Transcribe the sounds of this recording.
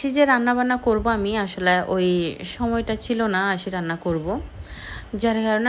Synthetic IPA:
ʃid͡ʑeɾanːaβanakoɾboamiaʃoleʔojʃɔmɔejʈat͡ɕʰilonaaʃiɾanːakoɾbo | d͡ʑaɾkaɾone

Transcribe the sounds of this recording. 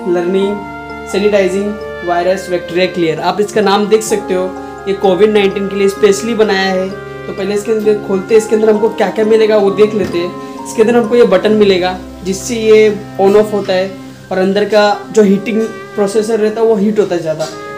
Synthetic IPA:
ləɾnɪ̃ŋɡ | sɛːnɪʈaːɪzɪ̃ŋɡ | ʋaːɪɾəsʋɛk̚ʈɾijaklijəɾaːpɪskanaːmd̪eːkʰsɐk̚t̪eɦoː | jekoːʋɪɖnãːɪ̃ɳʈiːnkeliespeːʃlibɐnaːjaɦɛ | t̪opɛɦleɪskeɐ̃nd̪əkʰoːlt̪eɦɛɪskẽɐ̃nd̪əɾɦɐmkokjaːkjamɪleːɡaʋod̪eːkʰleːt̪eɦɛ̃ | ɪskeɐ̃nd̪ənɦɐmkojebɐʈənmɪleːɡaː | d͡ʒɪsːeje | ɔːnɔːfɦoːt̪aɦɛ | ɔːɾɐ̃nd̪əɾkad͡ʒoːɦiːʈɪ̃ŋɡ | pɾoːseːsəɾːɛɦt̪aɦɛʋoɦiːʈɦoːt̪aɦɛzjaːd̪a

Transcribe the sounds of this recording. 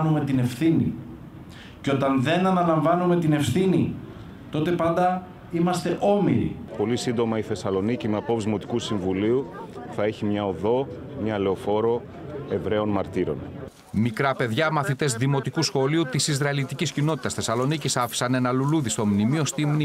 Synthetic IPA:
nume̞t̪ine̞fθinḭ | ceo̞t̪ɐnðe̞nɐnɐlɐɱvɐnume̞t̪ine̞fθinḭ | t̪o̞t̪e̞pɐnd̪ɐ | imɐst̪e̞ʔo̞mḭɾḭpo̞lisind̪o̞mɐiθe̞sɐlo̞nicimeɐpo̞pzmo̞t̪i̥kusiɱvuliuθɐeçimɲɐo̞ðo̞ | mɲɐle̞o̞fo̞ɾo̞ | e̞vɾe̞o̞nmɐɾt̪iɾo̞̰n | mikɾɐpe̞ðʝɐmɐθit̪e̞zðimo̞t̪ikusxo̞liut̪isiz̬ɾɐilit̪iciscino̞t̪i̥t̪ɐsθe̞sɐlo̞nicisɐfi̥sɐne̞nɐluluðist̪o̞mnimio̞st̪imni

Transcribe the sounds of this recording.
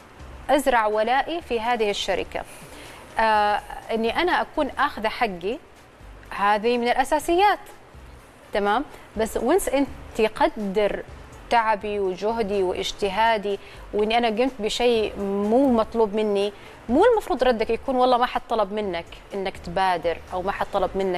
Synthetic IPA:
ʔazɾˤɑʕwalaːʔifiɦaːðɪhɪʃːaɾɪ̰ka̰ | ʔaʔɪnːiʔanaʔakuːnʔaːxɪðaħaɡːi | haːðimɪnɪlʔasaːsɪjːaːt̪ | t̪ːamaːm | basːwɪnsʔɪnt̪iqɑd̪ːɪɾ | t̪aʕabiwɪd͡ʒʊɦd̪iwɪʔɪ̰d͡ʒt̪ɪɦaːd̪i | wʔɪnːiʔanaɡɪmt̪̚bɪʃeːmuːmɑt̪ˤluːbmɪnːi | muːlmɑfɾuːd̪ˤɾˤɑd̪ːakjakuːnwɑlˤːɑːmaħɑt̪t̪ˤːɑlɑbmɪnːak | ʔɪnːakt̪baːd̪ɪɾʔawmaħɑt̪t̪ˤːɑlɑbmɪnːa

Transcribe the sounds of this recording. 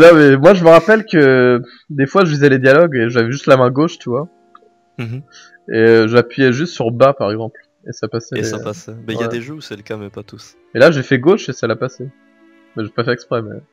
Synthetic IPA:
nɔ̃mɛmwaʒəməʁapɛlkə | d̪efwaʒəfizɛled̪jalɔɡeʒavɛʒyst̪lamɛ̃ɡoʃt̪yvwa | eøʒəapɥijɛʒyst̪syʁbapaʁɛɡzɑ̃pl | ḛsapasɛsapasɛbɛiwjad̪eʒøsɛləkamɛpat̪us | elaʒefɛɡoʃesalapase | mɛʒəvɛpafɛɛkspχɛmɛ̰

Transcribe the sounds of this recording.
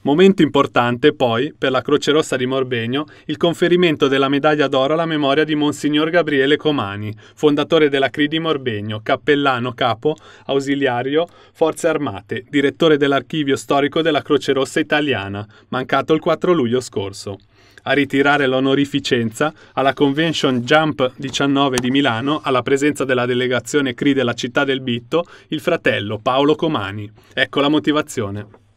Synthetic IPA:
moment̪oimport̪ant̪epɔjperlakɾoːt͡ʃeɾosːad̪imorbeɲːo | ilkoɱfeɾiment̪od̪elːamed̪aʎːad̪ɔːɾoalːamemɔːɾjad̪imonsiɲːorɡabɾiɛːlekoma̰ːni | fond̪at̪oːɾed̪elːakɾid̪imorbeɲːokapːelːaːnokaːpoawziljaːɾjo | fɔrt̪searma̰ːt̪ed̪iɾet̪ːoːɾed̪elːarkiːvjost̪ɔːɾikod̪elːakɾot͡ʃeɾosːait̪alja̰ːna | maŋkaːt̪oilkwat̪ːɾoluʎːoskorso | arːit̪iɾaːɾelonoɾifit͡ʃɛnt̪saːlːakoɱvɛnsond͡ʒampd̪it͡ʃanːɔːved̪imilaːnoʔalːapɾezɛnt̪sad̪elːad̪eleɡat̪sːjoːnekɾid̪elat͡ʃit̪ːad̪elbit̪ːoilfɾat̪ɛlːopaolokoma̰ːni | ɛkːolamot̪ivat̪sːjoːne

